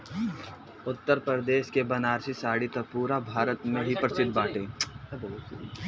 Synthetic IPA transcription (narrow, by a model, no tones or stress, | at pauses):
ʊt̪ːəɾpɾəɾəd̪eːʃkebɐnaːɾsisaːɽit̪ɐpuːɾabʱaːɾət̪mẽɦipɾəsɪd̪ʱːbaːʈeː